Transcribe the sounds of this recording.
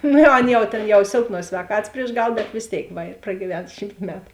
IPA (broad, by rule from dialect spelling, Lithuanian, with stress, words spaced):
ˈnʊ jɛʊ ˈɐn jɛʊ ˈtʲeːn jɛʊ ˈsʲeːlˠˌpnuɔs sʲʋʲɛːˈkɑːtɐs pʲrʲiɛʃ ˈɡɐlˠ bʲɛt ʋʲeːs ˈtʲeːɪk ˈʋɐ ɪr prɐɡʲiːˈʋʲɛn ˈʃʲiːmt ˈmʲæːtʊ